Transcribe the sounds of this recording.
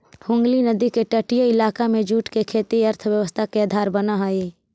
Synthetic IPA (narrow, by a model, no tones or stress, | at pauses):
ʈʰʊ̃ːŋɡlinɐd̪ikeʈɐʈɪjoɪlaːkamẽd͡ʒuːʈkekʰeːt̪iɐɾt̪ʰwjəʋəst̪ʰakead̪ʱaːɾbɐnaɦaːiː